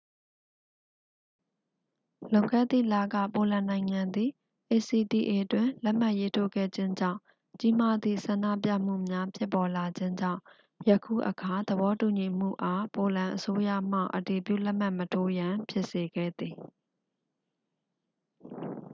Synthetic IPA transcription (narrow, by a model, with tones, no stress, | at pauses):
lõ˨ʊŋkɛ̰˦˨t̪ḭ˦˨la˦˨ɡä̰˦˨po˨lã˨nã˨ɪ̃ŋã˨nd̪i˨ | ʔe˨si˨ti˨ʔe˨ʔtwɪ̃˨lɛ˦ʔm̥a˦ʔje˦tʰo̰˦˨ɡɛ̰˦˨d͡ʑɪ̃˦ɲd͡ʑã̰˦˨ʊ̃ | t͡ɕi˦ma˦d̪ðḭ˦˨sã˨nda̰˦˨p̬ja̰˦˨m̥ṵ˦˨mja˦pʰjɪ˦pːɔ˨la˨d͡ʑɪ̃˦ɲd͡ʑã̰˦˨ʊ̃ | jə˨kʰṵ˦˨ʔəkʰa˨d̪əbɔ˨˦tu˨ɲi˨m̥ṵ˦˨ʔa˨˦po˨lã˨ʔəso˦jä̰˦˨m̥a̰˦˨ʔəti˨pjṵ˦˨lɛ˦ʔm̥a˦˨ʔmətʰo˦jã˨pʰjɪ˦ʔse˨ɡɛ̰˦˨d̪ði˨